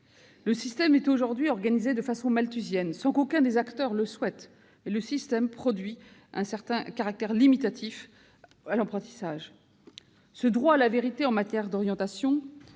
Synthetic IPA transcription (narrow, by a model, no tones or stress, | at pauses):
ləsist̪ɛmɛt̪oʒuʁd̪ɥiɔʁɡanized̪əfasɔ̃malt̪yzjɛnsɑ̃kokɛ̃d̪ezakt̪œʁləswɛt̪ | eləsist̪ɛmpχɔd̪ɥi | ʔɛ̰̃sɛʁt̪ɛ̃kaʁak̚t̪ɛʁlimit̪at̪ʰif | alɑ̃pχɑ̃t̪i̥saʒ | səd̪ʁwaːlaveʁit̪eɑ̃mat̪jɛʁd̪ɔʁjɑ̃t̪asjɔ̃